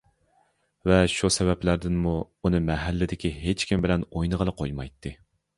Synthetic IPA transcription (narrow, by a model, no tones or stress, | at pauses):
vɛʃusɛvɛplæɾd̪ɪnmu | unɨmɛɦælːɪd̪ɪkʲiɦet͡ʃkʲimbɪlɛnojnəʁəlˠəqʰojmɑjt̪ʰːɨ